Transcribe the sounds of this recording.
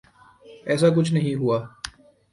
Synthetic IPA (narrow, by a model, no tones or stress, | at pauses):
ɛːs̬ak̬ʊt͡ʃʰnɐɦĩɦuaː